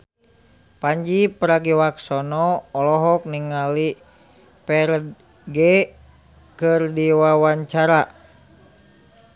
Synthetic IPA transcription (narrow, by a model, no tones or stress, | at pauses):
paɲd͡ʒipəɾaɡiwaksɔnɔːlɔɦɔk̚niŋali | pɛɾ | ɡɛ | kɨrdiwawaɲt͡ʃaɾa